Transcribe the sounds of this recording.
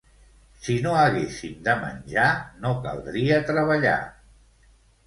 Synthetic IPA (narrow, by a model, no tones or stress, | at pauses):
sinoəɣesimd̪əmə̰nʲʒanokə̰lˠd̪ɾiət̪ɾəβəʎa̰